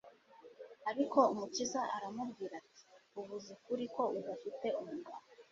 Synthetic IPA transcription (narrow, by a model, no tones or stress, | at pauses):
aɾiko̞umucizaʔaɾamubɡiːɾati̥uβuzikuɾiko̞uβafite̞umuha